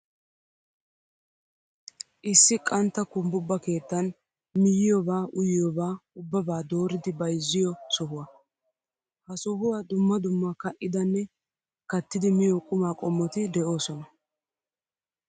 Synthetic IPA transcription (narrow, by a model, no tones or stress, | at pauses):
ʔɪsːɪkʼɐnt̪ːɐkʊmbʊbːɐke̞ːt̪ːɐn | mɪjɪjɔbaːʔʊjɪjɔbaːʊbːɐbaːd̪o̞ːɾɪd̪ɪbɐjzːɪjɔsɔɦʊwɐ | hɐsɔɦʊwaːd̪ʊmːɐd̪ʊmːɐkɐʔɪd̪ɐnːɛ | kɐt̪ːɪd̪ɪmɪjɔkʼʊmaːkʼɔmːɔt̪ɪd̪ɛʔo̞ːsɔnɐ